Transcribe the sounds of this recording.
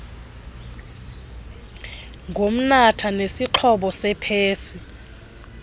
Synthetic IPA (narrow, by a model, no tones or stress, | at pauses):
ŋɡʱom̩natʰanesiǃʰɔɓɔsɛpʰeːsi